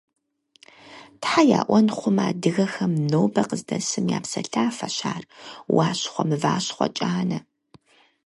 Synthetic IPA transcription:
tħaja̰ːʔʷɔnχʷʊmaːdɨɣɐxɐmnoːbɐqəzdɐsɨmja̰ːpsɐɬaːfɐɕaːrwaːɕχʷɔmɨvaːɕχʷɔ̰t͡ʃʼaːnɐ

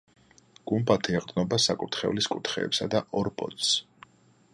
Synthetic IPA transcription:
ɡ̥umbat̪ʰiɛqʼd̪nɔbasakʼut̪ʰχɛ̰vliskʼut̪ʰχɛ̰ːpsad̪aʔɔɾbʼɔ̰t̪s

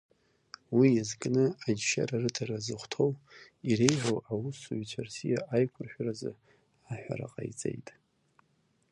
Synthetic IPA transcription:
wijazkʼnɨad͡ʒʃa̰ɾarɨdʰarazɨχʷtʰow | irejʕʷowawʊsut͡ʃʷʰarsijaʔajkʷʰʊrħʷᶣarazɨ̰ | aħᶣʷa̰ra̰qʼa̰jt͡sʼe̞̰jtʼ

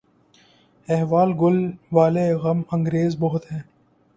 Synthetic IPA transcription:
eɦʋaːlɡʊlʋaːleɣɐmɐ̃ŋɡɾeːzbɐɦʊt̪hɛ̃ː

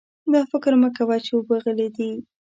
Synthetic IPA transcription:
d̪ɑfɪkɾməkawajt͡ʃewəbaɣəled̪i

